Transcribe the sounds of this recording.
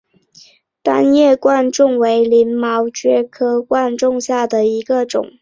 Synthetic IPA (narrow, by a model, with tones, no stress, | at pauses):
t̪a˥njɛ˥˩kwa˥˧nʈ͡ʂʊ˥˩ŋwe˧˥ɪli˧˥nmɑ˧˥ʊt͡ɕɥɛ˥kʰɤ˥kwa˥˧nʈ͡ʂʊ˥˧ŋɕja˥˩d̪ə˩i˧˥ɡə˧ʈ͡ʂʊ̰˨˩˦ŋ